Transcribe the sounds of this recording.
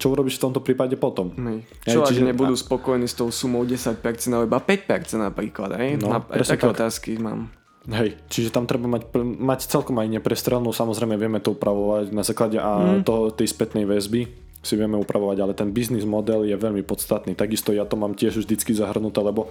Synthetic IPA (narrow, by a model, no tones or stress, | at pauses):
t͡ʃɔuɾɔbiʃft̪ɔmt̪ɔpɾiːpaɟɛpɔt̪ɔmɦɛj | ɦt͡ʃɛɔt͡ʃiʒɛɲɛbud̪uːspɔkɔjniːst̪ɔʊsumɔʊɟɛsac̚pɛɾt͡sɛnaibapɛcpɛɾt͡sɛnapɾiːklad̪ɦɛjnɔaɾɾɛst̪ɛak̪ːɔt̪aːskima̰ːm | ɦɛjt͡ʃiʒɛt̪amt̪ɾɛbamacmact͡sɛlkɔmajɲɛpɾɛst̪ɾɛlnuːsamɔzɾɛjmɛʋɪɛmɛt̪ɔupɾʔaʋɔʋacnazaːklaɟɛʔat̪ɔɦɔt̪ɛjspɛt̪nɛjʋɛzbi | siʋɪɛmɛupɾʔaʋɔʋaɟalɛt̪ɛnbiznizmɔd̪ɛljɛʋɛʎmipɔt̪t͡st̪at̪niːt̪aɡist̪ɔjat̪ɔmaːmcɪɛʒvʒd̪it͡skizaɦr̩nut̪ɛːlɛbɔ